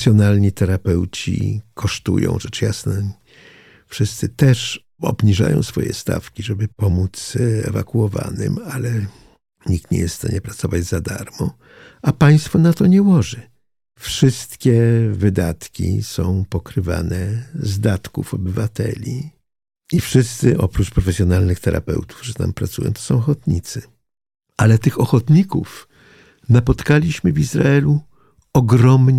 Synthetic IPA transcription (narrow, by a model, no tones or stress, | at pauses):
sʲjɔnalɲit̪ɛɾapɛwt͡ɕḭkʰɔʂt̪ṵjɔ̰̃w̃ʐɛt͡ʂjasnɛ | fʂɘst̪sɘt̪ɛʂ | ɔ̰bɲiʐa̰jɔ̰̃w̃sfɔjɛ̰st̪a̰fkʲiʐɛbɘpɔmut̪sɛ̰va̰kuɔva̰nɪ̰malɛ | ɲik̚t̪ɲɛ̰jɛsst̪a̰ɲɛpɾat̪sɔvad͡ʑzad̪aɾmɔ̃ | apaj̃st̪fɔnat̪ɔɲɛwɔʐɘ | fʂɘst̪kʲɛvɘd̪at̪kʲḭsɔ̃w̃pɔkɾɘva̰nɛzd̪at̪kufɔbɘvat̪ɛ̰lʲi | ifʂɘst̪sɘʔɔpɾut͡ʂpɾɔfɛsʲjɔnalnɘxt̪ɛɾʔa̰pɛ̰wt̪u̥vʐɛt̪a̰mpɾat̪sujɔ̰̃t̪ɔ̥sɔ̃w̃ɔxɔt̪ɲit̪sɘ | ʔalɛt̪ɘxɔxɔt̪ɲikuf | napɔt̪kalʲiɕmɘvʲizɾa̰ɛlu | ɔɡɾɔmɲ